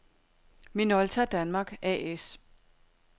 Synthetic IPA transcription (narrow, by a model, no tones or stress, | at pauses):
minɒlt͡sʰæd̥ænmɑ̈ːɡ̥ɛ̰ːes